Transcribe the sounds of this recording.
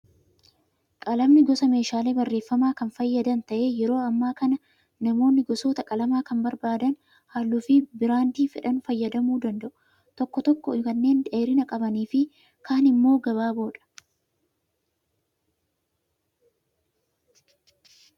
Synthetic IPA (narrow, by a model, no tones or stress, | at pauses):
kʼɐlɐmnɪɡɔsɐme̞ːʃaːle̞ːbɐrːe̞ːfːɐmaːkɐnfɐjːɐd̪ɐnt̪ɐʔe̞ːjɛɾo̞ːɐmːaːkɐnɐ | nɐmo̞ːnːɪɡɔsoːt̪ɐkʼɐlɐmaːkɐmbɐɾbaːd̪ɐn | haːlːʊfɪbɪɾaːnt̪iːfɪᶑɐnfɐjːɐd̪ɐmuːd̪ɐnd̪ɐʔʊ | t̪ɔkːɔt̪ɔkːɔkɐnːe̞ːnᶑ̪e̞ːɾɪnɐkʼɐbɐniːfɪ | kʰaːnɪmːo̞ːɡɐβaːbo̞ːᶑɐ̥